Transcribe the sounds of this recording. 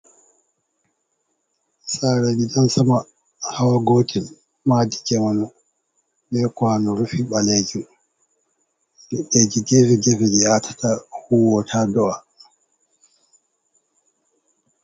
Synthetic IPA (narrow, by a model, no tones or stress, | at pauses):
saɾad͡ʒidansama | hawaɡoːtʰin | madid͡ʒɛmanɔ | bɛkwanɔɾufiɓaled͡ʒin | dɛɗed͡ʒid͡ʒɛvɛd͡ʒɛvɛd͡ʒɛatʰḁtʰahuwɔtʰadɔa